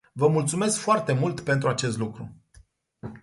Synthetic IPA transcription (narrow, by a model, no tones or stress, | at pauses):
vəmult̪sume̞skfoart̪e̞mult̪pe̞nt̪ɾuat͡ʃe̞st̪lukɾṵ